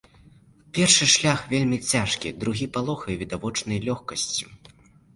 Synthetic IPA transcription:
pʲɛrʂɨʂlʲaxvʲelʲmʲit͡sʲaʂkʲḭd̪ɾuɣʲipalˠɔxɐjvʲid̪avɔt͡ʂnɐjlʲɔxkɐsʲt͡sʲu

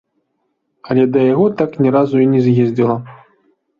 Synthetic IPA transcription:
ɐlʲɛd̪ɐjaɣɔt̪aknʲɛɾazuinʲɛzʲjɛzʲdd͡zʲɛlˠɐ

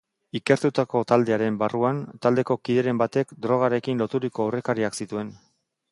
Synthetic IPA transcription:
ike̞ɾt̪ut̪ako̞t̪ald̪e̞aɾe̞mbaruant̪ald̪e̞ko̞kiðe̞ɾe̞mbat̪e̞kd̪ɾo̞ɣ̞aɾe̞kinlo̞t̪uɾiko̞awre̞kaɾiaksit̪ue̞n

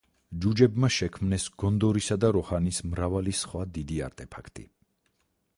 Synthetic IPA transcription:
d͡ʒud͡ʒɛbmaʃɛkʰmnɛsɡ̥ɔnd̪ɔɾisad̪aɾɔhanismɾavalisχwad̪id̪ia̰ɾt̪ʼɛpʰakʰt̪ʼḭ

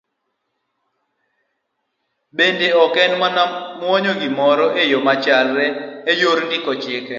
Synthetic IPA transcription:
bendeɔkɛnmanamwɔɲoɡɪmɔɾɔʔejomat͡ʃalɾɛːjoɾndɪkɔt͡ʃɪkɛ

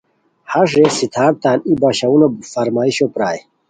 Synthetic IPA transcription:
haʂesit̪ʰaːɾt̪aːnibaɕɐunofɐɾmaːiɕopɾaːj

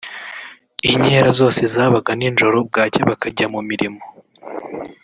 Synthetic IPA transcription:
iɲeɾazo̞ːse̞zaːβaɡaninʒo̞ɾo̞b̚ɡaːceβakaɟamumiɾimo

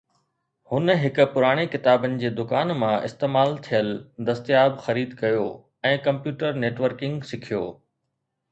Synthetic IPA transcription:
hʊnɦɪkʊ̆pʊɾaːɽ̃ekɪt̪aːbənɪ̆d͡ʑeːd̪ʊkaːnmãʔɪ̰st̪eːmaːlt̪ʰijəld̪ɐst̪ijaːbxɐɾiːd̪kɐjoː | ɛ̃ːkɐ̃mpjuːʈəɾneːʈʋəɾkɪ̃ŋɡsɪkʰijo̰ː

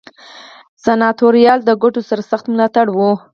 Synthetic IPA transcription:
sanɑt̪oɾijɑld̪əɡoʈosaɾasaxt̪mʊlɑt̪aɽwu

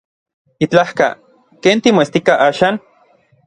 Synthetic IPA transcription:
it͡ɬahka̰ | keːnt̪imoest̪ikaʔaːʃaːn

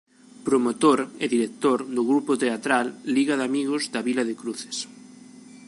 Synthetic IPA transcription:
pɾomot̪oɾeðiɾek̚t̪oɾðʊɣɾupot̪eat̪ɾalːiɣaðamiɣozd̪aβilɐðekɾuθe̥s

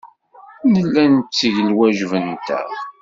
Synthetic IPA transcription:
nəlːænt͡st͡sːiʝəlwæʒvənt̪æ̰

